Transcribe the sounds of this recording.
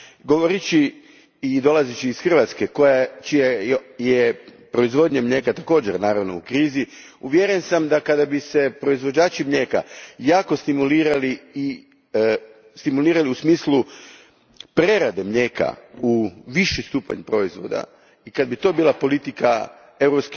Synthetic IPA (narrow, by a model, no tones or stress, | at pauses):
ɡo̞ʋoɾit͡ʃiː | d̪o̞lˠazit͡ʃiːsxr̩ʋat̪ske̞ko̞jat͡ʃijajepɾo̞izʋo̞d̪ɲamʎe̞ːkat̪ako̞ːd͡ʑeɾnaːɾaʋno̞̰ukɾiːzi | uʋjeɾensamd̪akad̪abise̞pɾo̞izʋod͡ʒaːt͡ʃimʎe̞ka̰jaːkost̪imuliːɾaliː | st̪imuliːɾaliusmiːslˠu | pɾe̞ɾad̪emʎeːka̰uʋiʃist̪uːpa̰ɲpɾo̞izʋo̞̰d̪a̰ | ikad̪bit̪o̞ːbiːlˠapo̞lit̪ika̰ | e̞wɾopsk